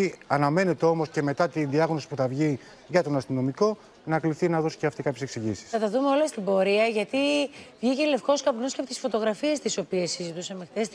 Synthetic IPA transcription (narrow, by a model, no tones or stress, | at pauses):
iɐnɐme̞ne̞t̪e̞o̞mo̞sce̞me̞t̪ɐt̪inðiɐɣno̞si̥puθɐvʝi | ʝɐt̪o̞nɐst̪ino̞miko̞ | nɐkliθinɐðo̞si̥ceɐft̪ikɐpçes̞ksiʝisi̥sɐt̪ɐðume̞olɐst̪ibo̞ɾiɐʝɐt̪ivʝice̞le̞fko̞skɐpnosceɐpot̪isfo̞t̪o̞ɣɾɐfiest̪iso̞pie̞sːizit̪usɐmext̪es